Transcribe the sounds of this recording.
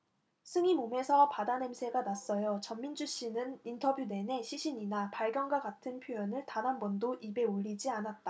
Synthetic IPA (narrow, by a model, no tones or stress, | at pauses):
sʰɯŋimome̞sʰʌpadane̞msʰe̞ɡanas͈ʌjot͡ɕʌmːind͡ʑuɕ͈inɯnintʰʌbjude̞ne̞ɕʰiɕʰiɲinapaɭɡjʌnɡwaɡatʰɯnpʰjojʌnɯɭtanɦanbʌndoʔibe̞oʎːid͡ʑianat̚t͈a